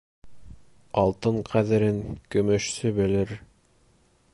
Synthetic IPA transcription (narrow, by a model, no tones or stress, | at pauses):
ɑlˠt̪ɤɴqʰæðɘ̆ɾɘŋkɵ̆mɵ̆ʃsɵbɘ̆lɘɾ